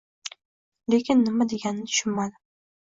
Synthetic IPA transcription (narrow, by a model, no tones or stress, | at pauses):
le̞kʲʰɪnːɪmad̪eɡʲannɪt̪ʰʊ̥ʃʊnmad̪ɪ